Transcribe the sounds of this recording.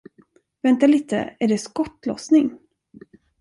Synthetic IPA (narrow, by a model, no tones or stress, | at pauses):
vɛnt̪aliːt̪ə̰æɖɛskɔʈːlɔ̰snɪŋ